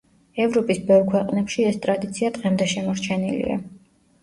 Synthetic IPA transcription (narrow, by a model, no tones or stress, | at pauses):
ɛvɾɔpʼisbɛvɾkʰwɛqʼnɛpʃiɛst̪ʼɾad̪it̪sʰiad̪̥ʁɛmd̪ɛʃɛmɔɾt͡ʃʰɛnilḭa̰